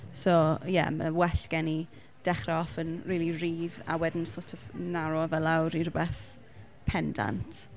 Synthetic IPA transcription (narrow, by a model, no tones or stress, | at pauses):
sojɛ̰mə̰wɛɬɡ̥ɛni | d̥ɛχrɛɔfənriːliriːða̰wɛdn̩sotʰɔvnaɾɔvɛlawɾirʊbɛθ | pʰɛnda̰ntʰ